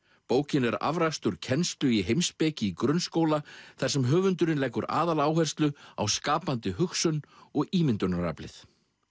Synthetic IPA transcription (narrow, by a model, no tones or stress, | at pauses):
poːwcɪnɛɾa̰vɾakst̪ʏɾ̥cʰɛnst̪lʏiɦejmspɛːcɪikɾʏnskoːwlaθḁsɛmɦœːvʏnt̪ʏɾɪnlɛjkːʏɾa̰ːðalaːwhɛr̥st̪lʏa̰wskaːpant̪ɪɦʏxsʏnɔɣiːmɪnt̪ʏnaɾa̰plɪ̰θ